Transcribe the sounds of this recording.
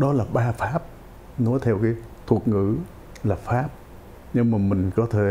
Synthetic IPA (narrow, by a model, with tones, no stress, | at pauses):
ɗɔ˨˦laː˨˩ɓaː˧faː˦˥p̚ | nɔ˨˦jt̪ʰɛ˧wkaː˨˦j | t̪ʰu˨˩ət̚ŋɨ̰˧˥ | laː˨˩faː˦˥p̚ | ɲɨ˧ŋmaː˨˩mï˨˩ŋ̟kɔ˨˦t̪ʰe˨˩˦